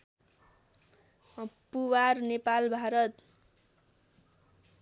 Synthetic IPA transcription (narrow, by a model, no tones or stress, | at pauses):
puwarnepalbʱaɾʌt̪